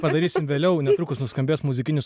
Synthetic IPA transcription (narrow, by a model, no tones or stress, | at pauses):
pɐd̪ɐɾʲiːsʲɪmʋʲeːlʲɛʊnʲɛt̪ɾukʊsnʊskɐmʲbʲeːsmʊzʲɪkʲɪnʲʊs